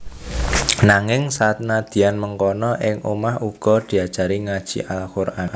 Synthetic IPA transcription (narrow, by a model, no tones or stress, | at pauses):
naŋɪŋsat̪̚nad̪̥i̤anməŋkɔnɔʔɪŋumahuɡ̥ɔ̤d̪̥i̤ad̥ʒ̥a̤ɾiŋad̥ʒ̥ḭʔalkuɾa